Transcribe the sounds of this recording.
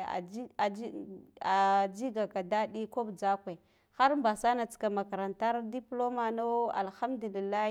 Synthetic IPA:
a̰˨˦a˨˦a˨d͡ʒi˦ɡa˨ka˨da˦ɗi˦ko˦bd͡za˦kʷe˨ | xa˦ɾmba˨sa˦na˨t͡ska˨ma˨ka˨ɾa˨nta˦ɾdi˦plo˦ma˨no˦a̰˨lxa˦mdu˨li˨lːa˦

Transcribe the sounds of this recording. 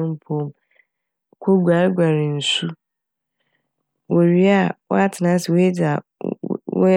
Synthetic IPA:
m̩˦pʰo˦m˨ | kʰo˦ɡʷa˨ɾɡʷa˨ɾɪ˨n̩˨su˦ | wo˨ɾi˦a˦˨wɔ̰˦a˦tʰɪ˨nã˨˦sɪ˨wo˦je˦d͡zɪ˨a˨ | w

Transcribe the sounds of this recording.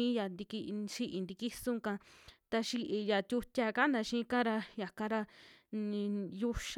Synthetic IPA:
ĩ˧˦ja˨nd̪i˧ki˧ʃi˧ʔi˧nd̪i˧ki˦sũ˧˦˧kã˧t̪a˧ʃi˧ʔi˧ja˨t̪ʲu˧tʲa˧ka˦nã˧ʃĩː˧˦kã˦ɾa˧ja˨kã˧ɾa˧ĩ˧ju˦ʃ

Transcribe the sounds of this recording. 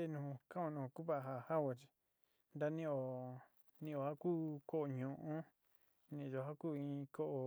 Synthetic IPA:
e˧nũ˨kã˦õ˧nũ˨˧˨ku˦βa˦ʔɦa˧˨ha˦wo˧˨t͡ʃi̥˧ | nd̪a˦nĩ˧o˨ | nĩ˧o˨ha˦kuː˦ko˦ʔo˨ɲũ˨ʔõ˦ | nĩ˧o˧˨ɦa˦kuː˦ĩ˧ko˦ʔo˨

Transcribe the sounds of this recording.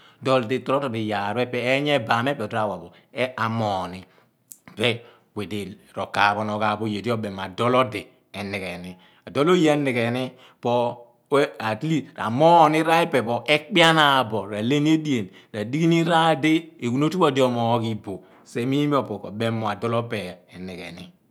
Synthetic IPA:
dɔ˨lde˨tɔ˨˦ɔ˦to˨bi˨ja˨ɾɛ˦pɛː˨˦ɲɛ˦ba˨m˦e˦pɛ˨ta˦˨wa˨bɔ˨˦ | a˨mɔ˨ni˨ | bɛ˦ | we˨de˨ɾɔ˨ka˨bɔ˨nɔ˨ka˨bo˦je˨di˦ɔ˦bɛ˨m˨a˨dɔ˦lɔ˦de˨ | ɛ˨ni˨kɛ˨ni˨ | a˨do˦lo˦je˦ni˨kɛ˨ni˦ | pɔ˦ | a˨tli˦˨a̰˨mɔ˦ni˦ɾa˦ɛ˦pɛ˨pɔ˨ʔɛ˦k͡pi˦a˦na˨bɔ˨ɾa˨le˦ni˦e˦di˦e˨n | da˨di˦ɡi˦ni˦ɾa˦de˦e˨ku˦no˦tu˦bɔ˦˨de˦ɔ˦˨mɔ˨˦ki˦bo˨ | se˦mi˦mi˦ɔ˦˨pɔ˨kɔ̰˨bɛ˦mɔ˨a˨dɔ˦lɔ˦pɛ˨ɛ˨ni˨kɛ̰˨ni˦

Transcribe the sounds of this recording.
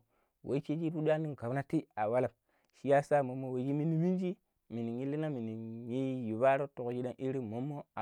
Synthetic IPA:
wʔḛ˨˦i˦t͡ʃe˦d͡ʒi˦pu˦du˦a˦ni˦ŋ˨ka˨na˦ti˦a˨wa˦la˨p | ʃi˦ja˦sa˦˨mo˨mːo˦we˨˦d͡ʒi˦mi˦ni˦mi˦nd͡ʒi˦ | mi˨ni˨ŋi˦li˦na˦mi˨ni˨ji˦ji˨ba˦ɾo˦to˨kd͡ʒi˦da˦nʔi˦ɾi˦mo˨˦mːo˦a˨

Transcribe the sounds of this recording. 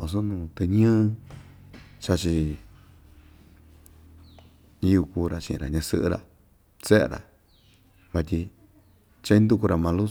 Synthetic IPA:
o˧˨s̬o˦nũː˧t̪e˧ɲɨ̃ː˦˧ | t͡ʃa˧t͡ʃi˧ | ĩ˧˦u˧kuː˧ɾa˨t͡ʃḭ˧ʔḭ̃˧ɾa̰˨ɲã˧sɨ̰˦ʔɨ̰˦ɾa̰˧ | t͡se˦ḛ˧ɾa̰˨ | βa˧t̪ʲi˧ | t͡ʃa˦ĩ˦nd̪u˧ku˧ɾa˧mã˧lu˦

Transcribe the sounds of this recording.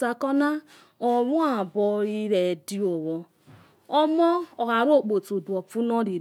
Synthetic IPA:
a˨kɔ˦na˦ | ɔ˨ɾũ˦a˦˨bɔ˧i˦ɾɛ˨di˦ɔ˨wɔ˨ | ɔ˦mɔ̃˦ɔ˨ɣa˨˦ɾo˦˨k͡po˨to˨du˨ɔ˨fu˦nɔ̃˦ɾi˨˦

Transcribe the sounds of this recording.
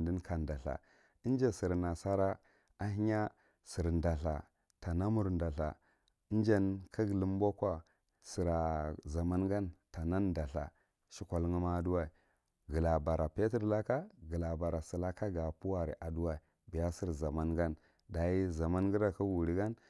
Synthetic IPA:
di˦nka˨nda˨ɬa̰˨ | i˦n˦d͡ʒa˦si˨ɾna˨sa˦ɾa˦ | a˦ɦi˦ɲa˦ | si˨ɾnda˨ɬa̰˨ | ta˨na˦mu˨ɾnda˨ɬa̰˨ | i˦n˦d͡ʒa˦nkʰa˦ɡli˦m˦bo˦kʷa˨ | si˨ɾa˨za˨ma˦nɡa˦nta˨na˦nda˨ɬa̰˨ | ʃi˦kʷa˨lŋi˦ma˦du˦wa˦i˨ | ɡə˨la˨ba˨ɾa˨pe˦tə˦ɾla˦ka˦ɡə˨la˨ba˨ɾa˨si˨la˦ka˦ɡa˨pu˦wa˨ɾi˨ʔa˨du˦wa˨i˨ | bi˨ja˦si˦ɾza˨ma˦nɡa˦n | da˨ji˦za˨ma˦nɡi˦ɾa˨ka˦wu˨ɾi˦ɡa˦n

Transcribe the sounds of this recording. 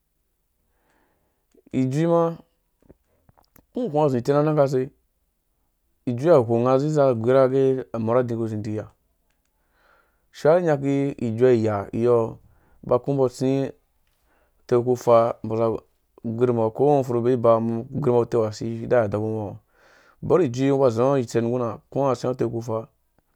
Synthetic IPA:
i˨d͡ʒʷi˦ma˦ | u˦˨kʷa˦˨zi˨te˦na˦na˦ka˦s̬e˧ | i˨d͡ʒʷi˦a˨kʷo˨ŋa˧zi˦a˦˨ɡʷi˨˦ɾa˦ɡe˦a˨mo˨ɾa˦dĩ˨ko˧˨zi˨i˨ja˨ | ʃa˦i˦ɲa˧k̬i˦ḭ˨d͡ʒʷa˦i˨ja˨ḭ˨jɔ˦ | ba˨ku˦m˦bo˦sĩ˦˨ | te˦˨ku˦fa˧bo˨za˨ | ɡʷi˦ɾma˨ko˦o˦fu˨ɾu˨be˦i˦ba˨m˦ɡʷi˦ɾi˦ma˨˦te˦wa˨si˦da˦ja˨da˨bu˦mo˨ | bo˦ɾi˨d͡ʒi˦ba˨zi˨a˦i˨t͡se˨n˨ɡu˦na˨ku˦a˦˨sĩ˦a˦te˦˨ku˦fa˦

